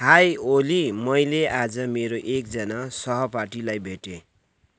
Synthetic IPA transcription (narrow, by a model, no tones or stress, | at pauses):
hajolimʌjlead͡zʌmeɾoʔek̚d͡zʌnasʌɦʌparʈilajbʱeʈe